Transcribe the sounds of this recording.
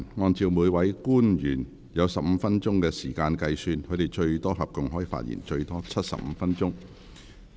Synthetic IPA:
nŋɔː˧nt͡siː˨˧wmuː˨˧jwɐ˨˥jkuː˥njyː˨˩n | jɐ˨˧wsɐ˨p̚m̩ː˨˧fɐ˥nt͡ʃʊ˥ŋkɛː˧siː˨˩kaː˧nkɐ˧jsyː˧nkʰɵ˨˧t̪e˨jt͡ʃɵ˧ɥt̪ɔː˥ɦɐ˨p̚kʊ˨˩ŋɦɔː˨˥ji˨˩fa̰ː˧t̚jḭ˨˩nt͡ʃɵ˧ɥt̪ɔː˥t͡sʰɐ˥t̚sɐ̰˨p̚m̩˨˧fɐ˥nt͡ʃʊ˥ŋ

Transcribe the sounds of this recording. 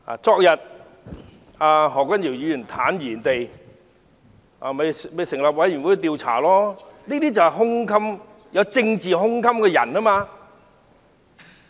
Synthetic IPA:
a̰ː˨t͡sɔː˧k̚jɐ˨t̚ | aː˧ɦɔː˨˩k̚wɐ˥njiː˨˩wjyː˨˧jy˨˩nt̪ʰaː˨˥njiː˨˩nt̪e˨j | ʔa̰˧me˨˧jme˨˧jsɪ˨˩ŋlaː˨p̚wɐ˨˥jy˨˩nwu˨˥˧t̪i˧wt͡sʰa̰ː˨˩lɔː˥niː˥t̪iː˥t͡sɐ˨whɛ˨jɦʊ˥ŋkʰɐ˥m | jɐ˨˧wt͡sɪ˧ŋt͡siː˨ɦʊ˥ŋkʰɐ˥mkɛ˧jɐ̰˨˩naː˥maː˧

